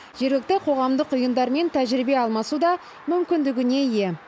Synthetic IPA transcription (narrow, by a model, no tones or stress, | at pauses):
ʒ̥e̞ɾɡʲlɪk̚t̪ɪqʰo̞ʁɑmd̪əqʊjənd̪ɑɾme̞nt̪ʰæʒɪɾɪbe̞ɑlˠmɑsud̪ɑ | mʏmkʲɪnd̪ɪɡʲɪne̞je̞